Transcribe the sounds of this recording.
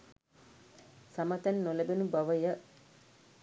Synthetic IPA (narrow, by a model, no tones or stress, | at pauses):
samət̪ænːolebenubaʋəjə